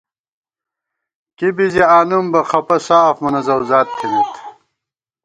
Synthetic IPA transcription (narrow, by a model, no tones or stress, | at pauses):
kibiziaːnumbɐxʰɐpɐsaːfmunɐzɐwzaːt̪̚t̪ʰːimit̪ʰ